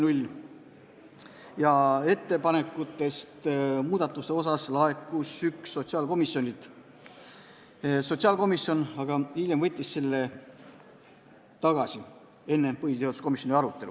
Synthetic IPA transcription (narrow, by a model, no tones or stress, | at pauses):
nulʲ | jɑe̞t̪ːe̞pɑne̞kːˑut̪ːˑe̞st̪muːd̪̥ɑt̪ːˑust̪e̞o̞s̬ɑslɑe̞kːusyksːo̞t̪ʲsiɑːlko̞misːjo̞nʲit̪ | so̞t̪ʲsiɑːlko̞misːjo̞nɑɡ̥ɑiljemvɤt̪ʲːisselːe̞ | t̪ɑɡ̥ɑsi | e̞nːe̞pɤhit̪eot̪usko̞misʲjonʲiɑɾut̪ːˑe̞lṵ